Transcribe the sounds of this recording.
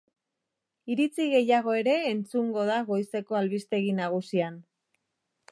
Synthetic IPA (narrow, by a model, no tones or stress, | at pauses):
iɾit͡siɣe̞jaɣ̞o̞e̞ɾe̞ːnt͡suŋɡo̞ð̞aɣo̞jse̞ko̞alβist̪e̞ɣ̞inaɣ̞usian